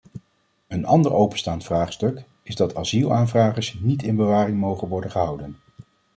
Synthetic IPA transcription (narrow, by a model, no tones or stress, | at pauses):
ənɑ̰ndəɹowpənstaːntfraːχstɵk | ɪzdɑtʰaːzilˠaːnvraːχəɹsnitɪnbəʋaːrɪŋmowχənʋɔɹdəχəɦʌwdən